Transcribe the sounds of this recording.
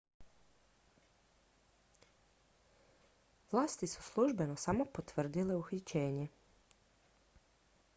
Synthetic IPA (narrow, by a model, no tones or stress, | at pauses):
ʋlˠaːst̪isu̥slˠuʒbe̞nosamo̞pot̪ʋr̩d̪ile̞uxit͡ɕe̞ːɲe